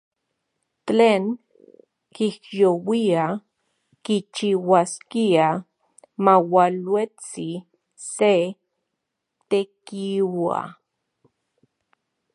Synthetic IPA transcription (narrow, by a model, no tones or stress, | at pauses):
teːŋ | kihjowia | kit͡ʃiwaskia | mawalwet͡si | se | t̪ekiwa̰